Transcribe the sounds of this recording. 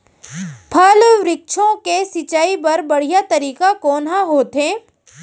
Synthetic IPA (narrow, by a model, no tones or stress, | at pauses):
pʰɐlʋɾɪk̚ʃʰõkesɪt͡ʃaːipɐɾbɐɽ̤ijat̪ɐɾiːkakɔːnɦãɦoːt̪ɦẽː